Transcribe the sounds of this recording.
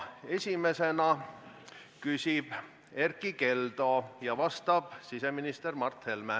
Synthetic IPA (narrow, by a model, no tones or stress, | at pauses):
e̞sʲime̞se̞nɑ | kysʲib̥ | e̞rkˑike̞ld̪̥o̞jɑvɑst̪ɑb̥sise̞minist̪e̞rmɑrt̪he̞lmæ